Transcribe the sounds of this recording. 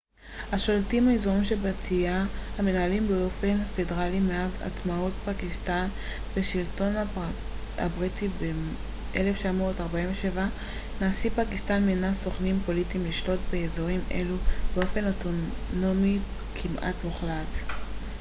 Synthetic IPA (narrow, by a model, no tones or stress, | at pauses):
haʃoltimaezoʁimʃebatʰijahame̞naalimbeo̞fe̞nfe̞deʁalimeaza̰t͡smautpakistan | be̞ʃilto̞n | a̰bʁitibe | ʔeleft͡ʃamo̞ːtaʁbaimveʃe̞va | naːsipakistanminasoχnimpo̞litimliʃlo̞tbeezoʁimʔe̞̰lubeo̞fe̞no̞tono̞mi | kʰimʔa̰tmuχlat